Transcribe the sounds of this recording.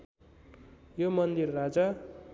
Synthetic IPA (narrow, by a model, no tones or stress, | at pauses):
jomʌnd̪irːad͡za